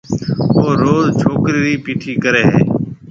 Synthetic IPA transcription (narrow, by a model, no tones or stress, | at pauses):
oːɾoːzt͡ʃʰoːkɾiːɾiːpiːʈʰiːkəɾeːɦḛː